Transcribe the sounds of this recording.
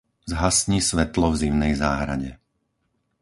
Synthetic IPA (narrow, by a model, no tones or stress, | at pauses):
zɦasɲiːsʋɛt̪lɔvziʊnɛjzaːɦɾa̰ɟɛ